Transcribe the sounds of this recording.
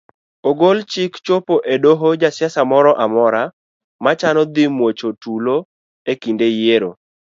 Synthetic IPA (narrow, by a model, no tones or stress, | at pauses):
oɡolt͡ʃɪkt͡ʃopoʔedoɦod͡ʒasɪjasamɔɾɔʔamɔɾa | mat͡ʃanɔd̪ɪmwot͡ʃotulo | ekindejeɾo̰